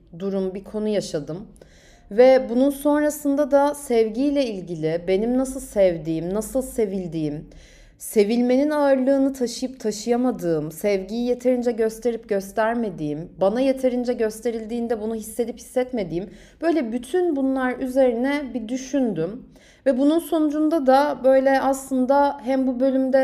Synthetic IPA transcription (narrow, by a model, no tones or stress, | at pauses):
d̪uɾumbikʰo̞nujaʃad̪ɯm | vɛbununso̞nɾasɯnd̪ad̪asɛvɟijlʲɛilʲɟilʲɪbe̞nimnasɯlˠsɛvd̪iːmnasɯlˠse̞vilʲd̪iːim | se̞vilʲme̞ninaɯɾlˠɯːnɯt̪ʰaʃɯjɯpt̪ʰaʃɯjamad̪ɯːmsɛvɟijijet̪ʰe̞ɾind͡ʒɛɟø̞st̪ʰe̞ɾip̚ɟøst̪ʰæɾme̞d̪iːimbanajet̪ʰe̞ɾind͡ʒɛɟø̞st̪ʰe̞ɾilʲd̪iːnd̪ɛbunuɦisːe̞d̪iphi̥sːɛt̪me̞d̪iːim | b̥ø̞jlʲɛbyt̪ʰynbunlˠaɾyze̞ɾinɛbid̪yʃynd̪ym | vɛbununso̞nud͡ʒund̪ad̪abø̞jlʲɛʔaslˠɯnd̪aɦæmbubø̞lʲymd̪ɛ